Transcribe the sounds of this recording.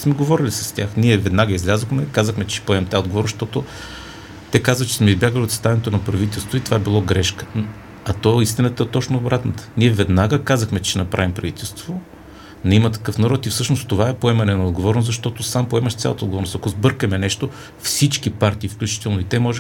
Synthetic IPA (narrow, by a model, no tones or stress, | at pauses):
smɛɡovɔɾilʲisə̥st̪ʲaxniɛvɛd̪naɡəizlʲazəxmɛkazəxmɛt͡ʃɛ̥ʃɛ̥poɛmɛmt̪aod̪ɡovɔɾnʃt̪ɔt̪ʊ | t̪ɛkazvət͡ʃɛ̥smɛizbʲjaɡəlʲiot̪st̪avɛnɛt̪onɐpɾɐvit̪ɛlˠst̪voit̪ovaɛbilˠɔɡɾɛʃkə̥ | ɐt̪ɔɛist̪inət̪əɛt̪ɔt͡ʃnoːbɾat̪nət̪ə̥niɛvɛd̪naɡəkazəxmɛt͡ʃɛt͡ʃɛnɐpɾavimpɾɐvit̪ɛlˠst̪vo | nɛimət̪ɐ̥kɤfnɐɾɔt̪ifsɤʃnost̪ovaɛpoɛmɐnɛnɐod̪ɡovɔɾnʊszɐʃt̪ɔt̪osampoɛməʃt̪ʲa̰lˠət̪əod̪ɡovɔɾnʊst̪ɐkʊzbɤɾkəmɛnɛʃt̪o | fsit͡ʃkipaɾt̪iːfklʲʉut͡ʃi̥t̪ɛlˠnoit̪ɛmɔʒɛ